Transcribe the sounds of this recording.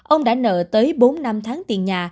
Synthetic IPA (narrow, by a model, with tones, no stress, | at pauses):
ʔə˧wŋ͡mɗa̰ː˧˥nə̰ː˧˨t̪əː˨˦jɓo˨˦nːa˧mt̪ʰaː˨˦ŋt̪i˨˩ənɲaː˨˩